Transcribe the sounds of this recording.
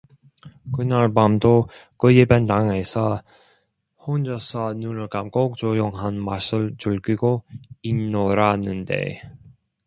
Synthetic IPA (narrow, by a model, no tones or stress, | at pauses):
kɯnaɭbamdokɯjibentaŋesʰʌ | hond͡ʑʌsʰʌnunɯɭkamk͈ok̚t͡ɕojoŋɦanmasʰɯɭt͡ɕuɭɡiɡoinːoɾanɯndḛ